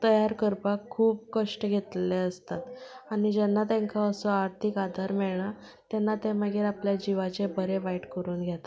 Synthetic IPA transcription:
t̪əjaɾkəɾpakʰːuːpbkəʂʈəɡʱet̪leəst̪at̪añid͡ʑɛnːat̪ɛ̃ŋkaəsɔaɾt̪ʰikad̪ʱaɾmɛɭɳa | t̪jɛnːat̪eməɡiːɾapljad͡ʑiʋat͡ɕebəɾeʋaiʈkəɾuːnɡʱjat̪a

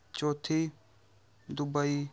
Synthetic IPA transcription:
t͡ʃoːt̪ʰi | d̪ʊbai

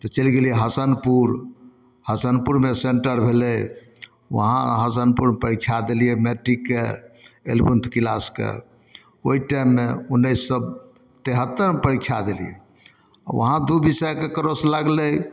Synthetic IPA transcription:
t̪ɔt͡ʃelɡelijeɦəsənpuɾ | həsənpuɾmeseɳʈəɾbʱeləj | wə̰ɦã̰ɦəsənpuɾmepəɾikʰt͡ʃʰad̪elijɛmeʈɾikːeḛlbunt̪ʰkilaskḛ | oiʈaimːeunːəisːəb | t̪eɦət̪ːəɾepəɾikt͡ʃʰad̪elijḛ | a̰ʋə̰ɦãd̪ubisəjkekəɾoslaɡləj

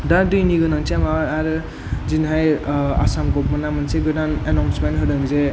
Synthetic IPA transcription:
daɾdɯjniɡɯnaŋseamaaɾɯ | zinɦaja̰samkɔp̚mɯnamɯnseɡɯdanenawnsmenɦɯɾɯŋze

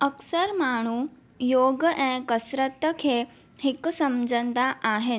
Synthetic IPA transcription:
əksəɾmaːɳ̤u | joːɡɛ̃ːkəsɾət̪kʰeː | hɪksɐmd͡ʑʱə̃nd̪aʔaːɦɪn̆

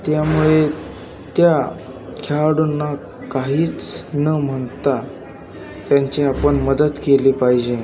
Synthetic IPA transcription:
t̪jamuɭe | t̪ja | kʰaɽunːa | kaɦiːt͡snəm̤əɳt̪a | t̪jaɲt͡ɕeapəɳməd̪ət̪kelipaɦid͡ʑẽ

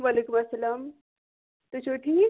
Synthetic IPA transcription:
ʋaːleːkumɐsːɐlaːm | t̪ut͡ɕʰoʈʰiː

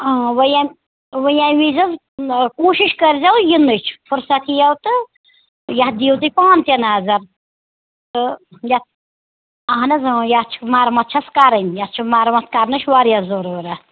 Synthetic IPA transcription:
aːʋɐjamʲ | ʋəjaʋizɐz | koːʃiʃkɐɾzʲawjinːɨt͡ʃʰfʰuɾsɐt̪ʰijɐwt̪ɨ | jɐtd̪iːwt̪ɨpãːnt̪ʲɐnaːzɐɾ | t̪ɨjɐt̪ | ɐɦnɐzɨjat͡ʃʰmaːɾmɐt̪̚t͡ʃʰɐskaɾɐnʲjat͡ʃʰumaːɾmɐt̪̚ʰkaɾnɨt͡ʃʰʋaɾjɐzɐɾuːɾɐ

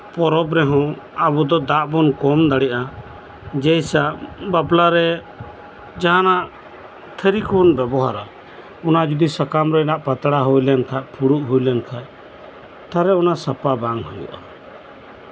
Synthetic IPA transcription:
pɔɾɔbɾɛɦɔ̃ | abud̪ɔd̪aʔbɔnkɔmd̪aɽɛʔa | d͡ʒɛjsaʔbablaɾɛ | d͡ʒaɦanaʔ | t̪ʰəɾikunbɛbɔɦaɾa | ɔnad͡ʒud̪isakamɾɛɛnaʔpat̪ɽaɦujlɛnt̪ʰaʔpʰuɽuʔɦujlɛnt̪ʰaʔ | t̪aɾɛɔnasapabaŋhujṵʔa̰

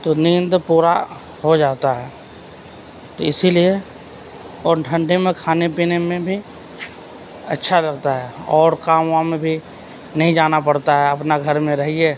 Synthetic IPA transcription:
t̪onĩːnd̪puːɾa | ɦod͡ʒaːt̪aɦɛː | t̪oɪsilie | ɔːɾʈʰə̃ɳɖemẽkʰaːnepiːnemẽbʱi | ɐtːʃʰalɐɡ̚t̪aɦɛɔːɾkaːmwamẽbʱi | nɐɦĩd͡ʒaːnapɐɽt̪aɦɛɐpnaɡʱɐɾmẽɾɐɦieː

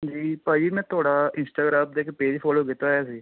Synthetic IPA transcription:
d͡ʒiːpəimɛ̃ːt̪ʰoːɽaːɪnsʈaːɡɾaːmd̪eːkːpeːd͡ʒiːpʰoːloːɡɪt̪aːjaːs̬iː

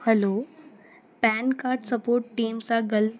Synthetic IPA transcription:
hɐlo | pɛːnkaːɾɖsɐpoːɾʈːiːmsãɡɐl

